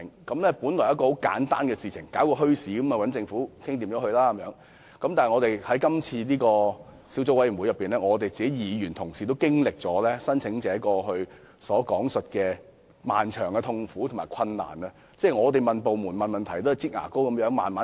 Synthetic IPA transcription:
ŋkɐ˨˦˥mlɛ˥puː˨˥nlɔː˨˩jɐ˥t̚kɔ˧ho˨˥wka̰ː˨˥nt̪a̰ː˥nkɛː˧siː˨˩t͡sʰɪ̰˨˩ŋkaː˨˥wkɔː˧ɦɵ˥ɥsiː˨˥kɐ˨˥mɐ˨wɐ˨˥nt͡sɪ˧ŋfuː˨˥kʰɪ˥ŋt̪iː˨mɔː˨˥ɦɵ˧ɥlaː˥kɐ˧˦mjœː˨˧˥ŋ | kɐ˨˧˥mt̪aː˨˩ŋɔ˨˧t̪e˨˩jhɐ˨˥jkɐ˥mt͡sʰiː˧niː˥kɔː˧ | si˨˥wt͡so˥wɐ˥jy˨˩mwu˨˧jɐ˨pːiː˨nlɛː˥ŋɔː˨˧t̪e˨jt͡siː˨ke˨˦jiː˨˧jyː˨˩nt̪ʰʊ˨˩ŋsiː˨t̪o˥wkɪ˥ŋlɪ˨k̚t͡sɔː˨˥lɛː˥sɐ˥nt͡sʰɪ˨˥ŋt͡sɛː˨˥kɔː˧ɦɵ˧ɥ | sɔː˨˥kɔː˨˥ŋsɵ˨t̚kɛː˧ | ma̰ː˨nt͡ʃʰœː˨˩ŋɛ˧t̪ʰʊ˧ŋfuː˨˥t̪ʰʊ˨˩maː˨˩jkʰɐ˧nːa̰ː˨˩nɐ˧ | t͡sɛː˥˩ŋɔː˨˧t̪e˨jmɐ˨npo˨wmuː˨˩nmɐ˨˩nmɐ˨nt̪ʰɐ˨˩jt̪o˥hɐ˨˩jt͡siː˥k̚ŋa̰ː˨˩ko˥wkɐ˧˦mjœː˨˥ŋmaː˨nmaː˨˦˥

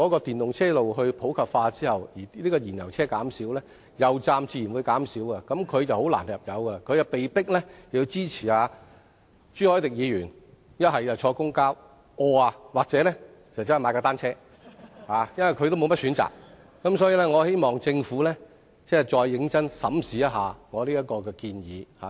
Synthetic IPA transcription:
ɔ˨˥kɔː˧t̪iː˨˩nt̪ʊ˨ŋt͡sʰɛː˥lo˨wɦɵ˧ɥpʰo˨˥wkʰɐ˨p̚faː˧t͡siː˥hɐ˨˩wjiː˨˩liː˥kɔː˧jiː˨˩njɐ˨˩wt͡sʰɛː˥kaː˨˥msiː˨˥wlɛː˥ | jɐ˨wt͡saː˧mt͡siː˧jiː˨˩nwuː˨˧jkaː˨˥msiː˨˥wkɐ˧kɐ˨˥mkʰɵ˨˧ɥt͡sɐ˨who˨˥wla̰ː˨˩njɐ˨p̚jɐ˨˧wkɐ˧kʰɵ˨˧ɥjɐ˧pe˨jpɪ˥k̚lɛ˥ɐ˨wji˧wt͡siː˥t͡sʰiː˨˩aː˨˧ | t͡ʃyː˥hɔː˨˥jt̪ɪ˨k̚jiː˨˧jɥyː˨˩n | jɐ˥t̚hɐ˨jɐ˨˩wt͡ʃʰɔː˧kʊ˥ŋkaː˥w | ɔː˧aː˧waː˨k̚t͡sɛː˨˦˥lɛ˥ | ɪ˨˩˨t͡sɐ˥n˨˩maː˧kaː˧t̪aː˥nt͡sʰɛː˥ | haː˨˧jɐ˥nwɐ˨˩jkʰɵ˨˧t̪o˥wm˨˧mɐ˥t̚syː˨˥nt͡sa̰ː˨k̚ | kːɐ˨˥msɔː˨˥jiː˧lɛː˥ŋɔː˨˧he˥jmɔː˨˩ŋt͡sɪ˧ŋfuː˨˥lɛː˥ | t͡sɛː˥˩t͡ʃɔː˧jːɪ˨˥ŋt͡sɐ˥nsɐ̰˨˥msiː˨˥jɐ˥t̚ɦaː˨ŋɔː˨˧liː˥jɐ˥t̚kɔː˧kɛː˧kiː˧njiː˨˧ha̰ː˨˧

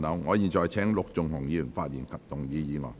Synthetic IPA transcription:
nɐ˨˧˥wŋɔː˨˧jiː˨t͡ʃɔː˨˧jt͡sʰɛː˨˥ŋlʊ˨k̚t͡sʊ˨ŋhʊ˨˩ŋjiː˨˧y˨˩nfaː˧t̚jiː˨˩nkʰɐ˨p̚t̪ʊ˨ŋjiː˨˧jiː˨˧ŋɔ̰ː˨˩

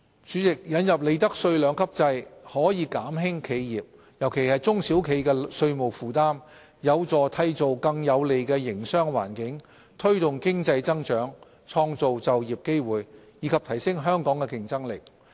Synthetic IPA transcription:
t͡ʃyː˨˥t͡sɪ˨k̚jɐ˨˥njɐ˨p̚le˨˧jt̪̬ɐ˥k̚sɵ˧ɥlœː˨˧˥ŋkʰɐ˥p̚t͡sɐ˧jhɔː˨˥jiː˨˧kaː˨˥mɦɪ˥ŋkʰe˨˧jjiː˨p̚ | jɐ˨˩wkʰe˨˩jhɐ˨jt͡sʊ˥ŋsi˨˥wkʰe˨˥jkɛː˧sɵ˧ɥmo˨˩wfuː˨t̪aː˥m | jɐ˨˧wt͡sɔː˨˩t̪ʰɐ˧jt͡so˨wkɐ˧ŋjɐ˨˧wle˨jkɛː˧jɪ˨˩ŋsœː˥ŋwa̰ː˨˩nkɪ˨˥ŋ | t̪ʰɵ˥ɥt̪ʊ˨ŋkɪ˥ŋt͡sɐ˧jt͡sɐ˥ŋt͡ʃœː˨˥ŋ | t͡ʃʰɔː˧ŋt͡so˨wt͡sɐ˨wjiː˨˩p̚ke˥jwuː˨j | jiː˨˥kʰɐ˨p̚t̪ʰɐ˨˩jsɪ˥ŋɦœː˥ŋkɔː˨˥ŋkɛ˧kɪ˨ŋt͡sɐ˥ŋlɪ˨˩k̚

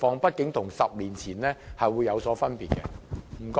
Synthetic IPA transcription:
fɔː˨˧ŋpɐ˥t̚kɪ˨˥ŋt̪ʰʊ˨˩ŋsɐ˨p̚liː˨˩nt͡sʰiː˨˩nlɛː˥hɐ˨jwuː˨˧jɐ˨˧wsɔː˨˥fɐ˥npiː˨t̚kɛ˧m̩˨˩kː

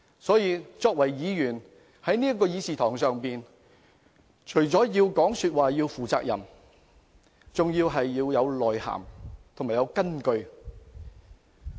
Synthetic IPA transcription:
sɔː˨˥jiː˨˧t͡sɔː˧k̚wɐ˨˩jjiː˨˧jyː˨˩n | hɐ˨˥jniː˥ɐ˥kːɔː˧jiː˨˧siː˨˧t̪ʰɔː˨˩ŋsœː˨ŋpiː˨n | t͡ʃʰɵ˨˩ɥt͡sɔː˨˥jiː˧wkɔː˨˥ŋsyː˧t̚waː˨jiː˧wfuː˨t͡sa̰ː˧k̚jɐ̰˨˩m | t͡sʊ˨ŋjiː˧wɦɐ˨jːiː˧wjɐ˨˧wlɔː˨˩jha̰ː˨˩mt̪ʰo˨˩maː˨˩jɐ˨˧wkɐ˥nkɵ˧ɥ

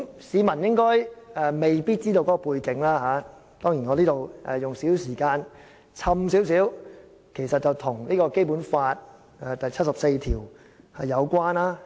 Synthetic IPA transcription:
siː˨˧mɐ˨˩njɪ˥ŋkɔː˥jɛː˧me˨jpiː˥t̚t͡siː˥t̪o˧wkɔ˨˥kɔ˧puː˧jkɪ˨˥ŋlaː˥ɦaː˨˧˦ | t̪ɔː˥ŋjiː˨˩nŋɔː˨˧liː˥t̪o˨wʔɛ̰˨˧jʊ˨ŋsiː˨˥wsiː˨˩kaː˧n | t͡sʰɐ˧msi˨˥wsiː˨˥w | kʰe˨˩jsɐ˨t̚t͡sɐ˨wt̪ʰʊ˨˩ŋliː˥kɔː˧ke˥jpuː˨˥nfaː˧t̚ | ɛ˨˧t̪ɐ˨jt͡sʰɐ˥t̚sɐ˨p̚se˧jt̪ʰiː˨˩w | hɐ˨jɐ˨˧wkʷwaː˥naː˥

